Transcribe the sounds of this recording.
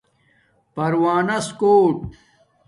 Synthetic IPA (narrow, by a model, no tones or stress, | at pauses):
pɐɾwaːnɐskoːʈ